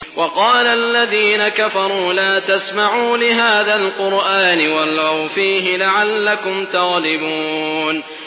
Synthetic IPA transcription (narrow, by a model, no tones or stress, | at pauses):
wʔɑqɑːlaʔlːaðiːnakafɑɾˤuːlaːt̪asmaʕuːlɪɦaːðalqʊɾʔaːnɪwalawfiːɦɪlaʕalːakʊmt̪ɑɣlɪbuːn